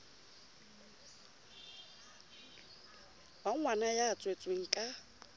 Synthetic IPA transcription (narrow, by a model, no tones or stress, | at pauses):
baŋwanajaːt͡sʼwet͡sʼweŋ̩kʼa